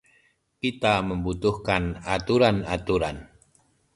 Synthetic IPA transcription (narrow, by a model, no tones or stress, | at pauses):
kit̪aməmbut̪uhkanat̪uɾanat̪uɾan